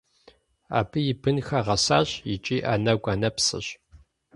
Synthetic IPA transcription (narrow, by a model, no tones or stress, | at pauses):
a̰ːbɨjɪbɨnxɐʁɐsaːɕjɪt͡ʃʼiːʔaːnɐɡʷʼanɐpsɨ̰ɕ